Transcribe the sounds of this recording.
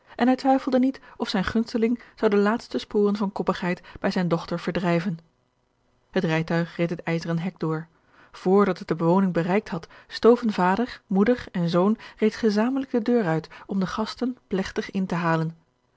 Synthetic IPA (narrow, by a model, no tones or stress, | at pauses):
ʔɛnɦɛjtʋɛjfl̩ˠdənitɔfsɛjnχɵnstəlɪŋz̥ɑwdəlaːtstəspʊːrənvɑnkɔpəχɦɛjtb̥ɛjzɛjndɔχtəɹv̥əɹdrɛjvən | ɦətrɛjtœɥχretɦətɛjzərənɦɛɡ̚dʊːɹ | v̥ʊːɹdɑtɦət̚dəbəʋownɪŋbərɛjk̚tɦɑtstowvənvaːdəɹmudəɹɛnzownrejtχəzaːmələɡ̚dədøːɹœɥtɔmdəχɑstənplɛχtəχɪntəɦaːlən